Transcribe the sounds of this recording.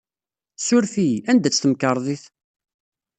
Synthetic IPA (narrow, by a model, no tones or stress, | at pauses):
sʊɾfiænd̪æt͡sːθəmkəɾˤðˤiθ